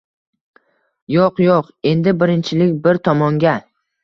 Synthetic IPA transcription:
joqjoq | e̞nd̪ɪbɪɾɪnt͡ʃʰɪlɪkʲbɪɾt̪ʰɒmɒŋɡʲa

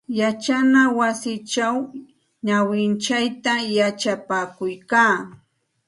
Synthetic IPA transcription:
jat͡ʃanawasɪt͡ʃaw | ɲawɪnt͡ʃajt̪ajat͡ʃapaːkʊjkaː

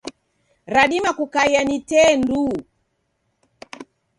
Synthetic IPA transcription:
ɾaɗimakukaianitɛndu

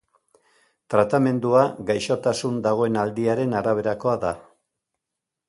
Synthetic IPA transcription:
t̪ɾat̪ame̞nd̪uaɡajʃo̞t̪asund̪aɣ̞o̞e̞nald̪iaɾe̞naɾaβ̞e̞ɾako̞aða̰

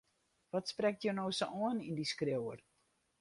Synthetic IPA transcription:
ʋɔtsprɛk̚tjonoːsoʔɔənindiskrewər

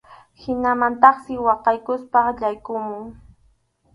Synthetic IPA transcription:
hɪnamant̪ɑχsɪwɑqɑjkʊspɑχʎajkʊmʊŋ

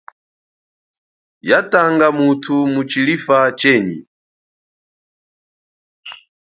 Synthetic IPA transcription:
jataŋɡamutʰumut͡ʃilifat͡ʃɛɲḭ

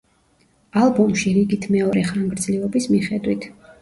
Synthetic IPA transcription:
alˠbɔmʃiɾiɡit̪ʰmɛɔɾɛχaŋɡɾd̪zliɔbismiχɛd̪wit̪ʰ

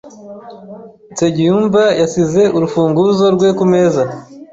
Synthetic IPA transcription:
teɟijuːmbajasize̞ʔuɾufuːŋɡuzo̞ɾɡwe̞kume̞ːza

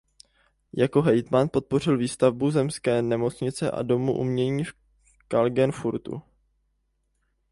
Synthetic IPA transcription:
jako̞ɦɛjt̪manpo̞t̪̚po̞r̝ɪlviːst̪avbuzɛmskɛːnɛmo̞t͡sɲɪt͡sɛʔa̰do̞muʔṵmɲɛɲiːf | kalɡɛnfuɾt̪ṵ

